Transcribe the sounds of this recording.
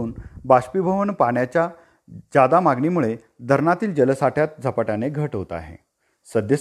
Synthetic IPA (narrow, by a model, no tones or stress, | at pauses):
uːnbaɕpibʱəʋənpaɳjat͡ɕja | d͡ʑad̪amaɡniːmuɭe | d̪ʱəɾɳat̪iːld͡ʑələsaʈʰjat̪̚d͡zʱəpaʈjaneɡʱəʈɦot̪a̰ɦḛ | səd̪jə